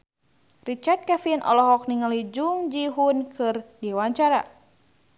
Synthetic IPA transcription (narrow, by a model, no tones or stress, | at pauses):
rit͡ʃart̪̚kɛfinʔɔ̰lɔɦɔk̚niŋalid͡ʒuŋd͡ʒiɦunkɨrdiwaɲt͡ʃaɾa̰